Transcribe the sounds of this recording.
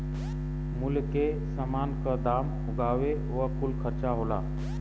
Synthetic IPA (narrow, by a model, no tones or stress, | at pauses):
mʊlke | səmaːnkəd̪aːm | ʊɡʱaːʋe | ʋəkʊlkʰəɾt͡ʃaɦoːla̰ː